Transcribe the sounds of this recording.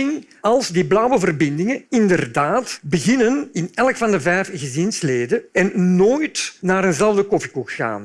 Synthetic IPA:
ɪŋ | ɑlˠzdiblɑwəvərbɪndɪŋənɪndərdaːtbəɣɪnənɪnɛlkfɑndəvɛːfɣəzɪnsleːdəɛnnoːjtnaːɾənzɛləvdəkɔfi̥kuxɣa̰ːn

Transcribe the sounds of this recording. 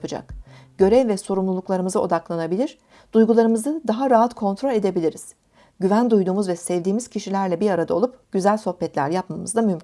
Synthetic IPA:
pɯd͡ʒa̰k | ɟ̥ø̞ɾɛvvɛso̞ɾumlˠulˠuklˠaɾɯmɯzɯo̞̰d̪aklˠanabilʲiɾ | d̪̥ujɡulˠaɾɯmɯzɯd̪aɦaɾaɦat̪kʰo̞nt̪ɾo̞lʲe̞d̪e̞bilʲiɾiz̥ | ɟyvænd̪ujd̪uːmuzvɛsɛvd̪iːmiz̥cʰiʃilʲæɾlʲɛbiɾaɾad̪ao̞lˠupɟ̥yzælʲso̞hpɛt̪lʲæ̰ɾjapmamɯzd̪amymʰ

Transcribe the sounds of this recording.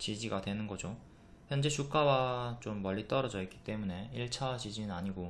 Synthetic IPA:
t͡ɕid͡ʑiɡadwe̞nɯnɡʌd͡ʑo | çjʌnd͡ʑe̞t͡ɕʰuk͈awat͡ɕomːʌʎːit͈ʌɾʌd͡ʑʌik͈i̥t͈e̞mune̞iɭt͡ɕʰad͡ʑid͡ʑinaɲiɡo

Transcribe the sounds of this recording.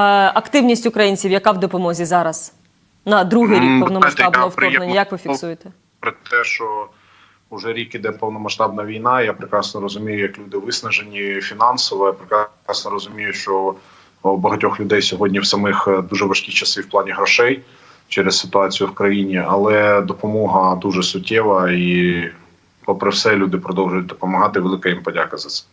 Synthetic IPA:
ɐkt̪ɪwnʲisʲtʲʊkɾɐjinʲt͡sʲiwjɐkɑwd̪ɔpɔmɔzʲizɑɾɐz̥ | nɐd̪ɾuɦɪjikpɔwnɔajʃt̪ɑb̪ˠɔftpɔɛnnʲɐjɐkʋɪfʲiksujet̪ɛ | pɾɪt̪ɛʃt͡ʃɔ | ʊʒɛɾʲikid̪ɛpɔwnɔmɐʃt̪ɑbnɐʋʲijnɑjapɾɪkɾɑsnɔɾɔzʊmʲijʊjɐklʲud̪ɪʋɪsnɐʒenʲifʲinɑnsɔʋɔjapɾɪkɾɑ | ɑsnɔɾɔzʊmʲijʊʃt͡ʃɔ | wbɐɦɐtʲɔxlʲʊd̪ɛjsʲɔɦɔdʲnʲiwsɐmɪxd̪uʒɛʋɐʃkʲit͡ʃɐsɪwplˠɑnʲiɦɾɔʃɛj | t͡ʃɛɾessɪ̥t̪ʊɑt͡sʲijʊwkɾɐjinʲiɐlˠɛd̪ɔpɔmɔɦɐd̪uʒɛsʊtʲːɛʋɐi | pɔpɾɪwsɛlʲud̪ɪpɾɔd̪ɔwʒʊjʊt̚ʲd̪ɔpɔmɐɦɑt̪ɪʋelˠɪkɐjimpɔdʲakɐzɐt̪sɛ̥

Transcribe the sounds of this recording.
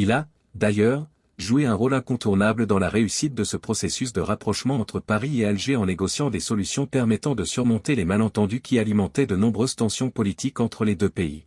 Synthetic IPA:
ila | d̪ajœʁ | ʒueɛ̃ʁolɛ̃kɔ̃t̪uʁnabləd̪ɑ̃laʁeysit̪̚d̪əsəpχɔsesysd̪əʁapχɔʃmɑ̃ɑ̃t̪χəpaʁiealʒeɑ̃neɡɔsjɑ̃d̪esɔlysjɔ̃pɛʁmɛt̪ɑ̃d̪əsjyɔ̃ʁmɔ̃t̪elemalɑ̃t̪ɑ̃d̪ykʲialimɑ̃t̪ɛd̪ənɔ̃bʁøzt̪ɑ̃sjɔ̃pɔlit̪ikɑ̃t̪χəled̪øpeḭ

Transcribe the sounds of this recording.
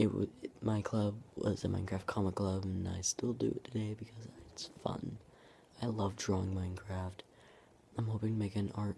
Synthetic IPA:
ɨt̚wʌ̰maɪkʰl̥ʌb̚wʌ̰zɨ̃mãɪ̃nkʰɹ̥æft̚kʰɑməkʰl̥ʌbɨ̃na̰ɪstɪlˠdɨ̰ɨ̰tʰɨdeɪbɨkʰʌzɪtsfʌ̰̃n | aɪlʌvdɹɔɪ̃ŋmãɪ̃nkʰɹ̥æft | ãɪ̃mhoʊpɪ̃ŋtʰəmeɪkɨ̃nɑɹt̚

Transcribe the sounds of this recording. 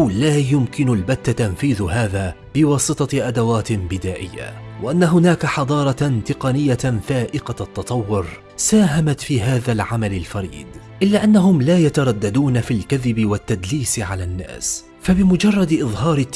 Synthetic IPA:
wlaːjʊmkɪnalbat̪ːat̪anfiːðɦaːðaː | b̥ɪwɑːsˤɨt̪ˤɑʔad̪awaːt̪ɪbɪd̪aːʔɪ̰jːa̰wʔaʔanːaɦʊnaːkaħɑd̪ˤɑːɾˤɑt̪ɪqɑnɪjːafaːʔɪqaɑt̪ːɑt̪ˤɑwːʊɾ | saːɦamat̪fiːɦaːðalʕamalɪlfɑɾḭːd̪ | ʔɪlːaːʔanːaɦʊmlaːjat̪ɑɾˤɑd̪ːad̪uːnafilkaðɪbɪwat̪ːad̪liːsɪʕalanːa̰ːs | fabɪmʊd͡ʒɑrˤːɑd̪ʔɨðˤɦɑːɾɪt̪ː

